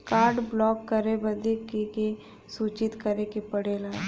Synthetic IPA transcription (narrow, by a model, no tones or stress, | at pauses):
kaːɾɖblɔːkːəɾebɐd̪ekeke | suːt͡ʃɪt̪kɐɾekepɐɽeːlaːe